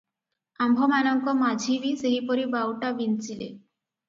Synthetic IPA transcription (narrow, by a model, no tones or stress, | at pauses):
ambʱɔmanɔŋkɔmad͡ʑʱibiseɦipɔɾibawʈabint͡ʃilḛ